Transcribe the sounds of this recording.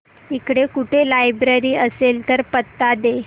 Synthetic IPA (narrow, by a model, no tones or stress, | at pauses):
ikɽekuʈʰelajbɾəɾiːəselt̪əɾpət̪ːad̪e